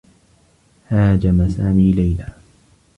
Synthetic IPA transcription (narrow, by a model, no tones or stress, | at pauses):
haːd͡ʒamasaːmiːlajlaː